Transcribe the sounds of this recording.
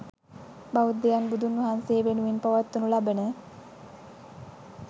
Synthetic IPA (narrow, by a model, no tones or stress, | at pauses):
baʋud̪ːejanbud̪ʱunʋɐɦanseːʋenuʋinpaʋat̪ːunulabənə